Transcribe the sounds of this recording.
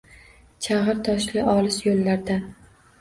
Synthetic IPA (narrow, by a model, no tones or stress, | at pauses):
t͡ʃʰaʁɨɾt̪ʰɒʃlʲɪʔɒlɪsjolːaɾd̪a